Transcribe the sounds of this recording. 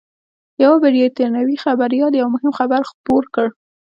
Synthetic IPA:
jawabeɖijot̪aɾnawixabaɾjɑljawmʊhɪmxabaɾxpoɾkəɽ

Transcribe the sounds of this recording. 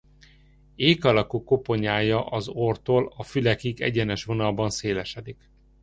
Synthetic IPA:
eːkɒlɒkuːkːo̞po̞ɲaːjɒʔɒzort̪oːlɒfylɛkiɡɛ̰ɟɛnɛʃʋo̞nɒlbɒnseːlɛʃɛd̪ik

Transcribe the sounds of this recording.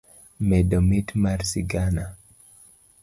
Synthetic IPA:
mɛdɔmitmaɾsiɡana

